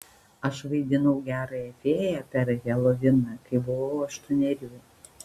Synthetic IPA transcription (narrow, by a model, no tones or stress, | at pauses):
ɐʃʋɐɪd̪ʲɪnɐʊɡʲæːɾɐɐt̪ʲeːjɛpʲɛɾɣʲɛlˠɔʋʲɪnɐkɐɪbʊʋɐʊɐʃt̪ɔnʲɛɾʲuː